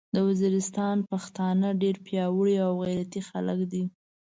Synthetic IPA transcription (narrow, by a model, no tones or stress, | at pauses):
d̪əwaziɾɪst̪ɑnpaxt̪ɑnəɖeɾpjɑwəɽiawɣajɾat̪ixaləkd̪i